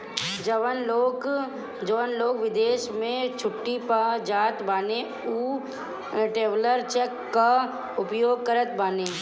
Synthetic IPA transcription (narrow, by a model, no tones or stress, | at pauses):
d͡ʒəʋənloːk | d͡ʒəʋənloːɡʋɪd̪eːʃmẽt͡ʃʰʊʈːipad͡ʒaːt̪baːne | uː | ʈeːʋləɾt͡ʃekːa | ʊpjoːɡ̚kəɾət̪baːneː